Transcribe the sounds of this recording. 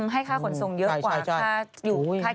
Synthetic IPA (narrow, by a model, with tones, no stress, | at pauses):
mɦa˥˩jkʰaː˥˩ko˧nso˧ŋjə˦˥˩kwaːa˨˥˩t͡ɕʰa˥˩aː˥˩ | juː˨˩˦kʰaː˥˩